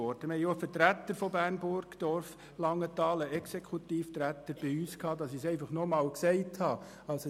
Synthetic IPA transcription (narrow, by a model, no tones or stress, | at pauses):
ɔɾd̥əmhɛjofəɾtɾæt̪ːəɾfɔbærnbʊɾɡ̥d̥ɔrf | lɑŋːət̪ɑːləɛksekʰut̪iːftɾæt̪əɾb̥ɪyːskʰhɑːdɑsisɛɪfɑχnɔmɑːlksɛɪthɑ | ɑls